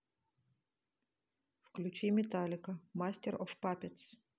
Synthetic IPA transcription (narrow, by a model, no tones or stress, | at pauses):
fklʲut͡ʃimʲɛt̪alʲɪkɐmasʲtʲɛɾʔɔfpapʲɛt̪s